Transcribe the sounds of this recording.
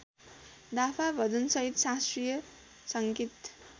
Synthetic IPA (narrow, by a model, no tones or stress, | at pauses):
d̪apʰabʱʌd̪ʌnsʌɦit̪sastrijʌ | sʌŋkit̪